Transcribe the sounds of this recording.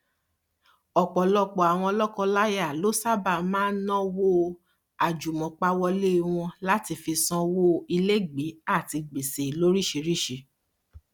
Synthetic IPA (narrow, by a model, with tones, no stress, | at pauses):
ɔ˨k͡pɔ˨lɔ˧k͡pɔ˨a˨w̃ɔ̃˧ɔ˧lɔ˦kɔ̃˧la˦ja˦˨lo˦sa˦ba˦˨mãː˦nɔ̃˦wo˦ | a˨d͡ʒu˨mɔ̃˨k͡pa˧wɔ˧le˦i˧w̃ɔ̃˧la˦ti˧fi˧sɔ̃˧wo˦i˧le˦ɡ͡be˨˦a˦˨ti˧ɡ͡be˨se˨i˨lo˦ɾi˦˨ʃe˧ɾi˦˨ʃe˧